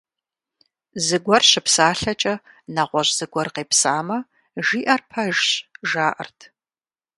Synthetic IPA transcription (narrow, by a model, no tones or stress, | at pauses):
zɨɡʷɔrɕɪpsaːɬɐt͡ʃʼɐ | nɐʁʷɔʑz̥ɨɡʷɔrqeːpsaːmɐ | ʒiːʔɐrpʰɐʒɕʒaːʔɐ̰rtʰ